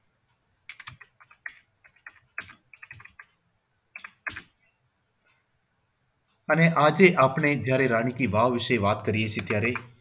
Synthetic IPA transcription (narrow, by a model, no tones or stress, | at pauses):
əneʔad͡ʒeʔapɳed͡ʒjaɾeɾaɽ̃ikiʋaʋʋɪʃəʋat̪kəɾijet͡ʃʰet̪jaɾe